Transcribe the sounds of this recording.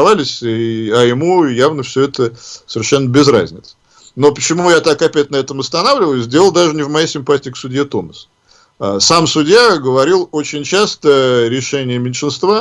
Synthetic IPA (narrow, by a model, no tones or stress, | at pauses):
valʲɪsʲiɐjɪmujavnəfsʲɵɛt̪əsəɪrʂɛnːəbʲɪzɾa̰zʲnʲɪt̪s | no̞pə̥t͡ɕɪmujat̪akɐpʲæt̚ʲnɐɛt̪əmɐst̪ɐnavlʲɪvəjʊzʲdʲe̞lˠəlˠd̪aʐɨnʲɪvmɐjejsʲɪmpatʲɪɪksʊdʲjet̪o̞məs | asamsʊdʲjaɡəvɐɾʲilˠo̞t͡ɕɪnʲt͡ɕast̪əɾʲɪʂɛnʲɪjəmʲɪnʲʂɨnst̪va